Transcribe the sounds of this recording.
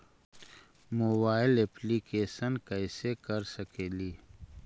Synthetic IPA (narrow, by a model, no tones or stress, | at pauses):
mobaːɪleplikeːsənkɐɪsekɐɾsɐkeːliː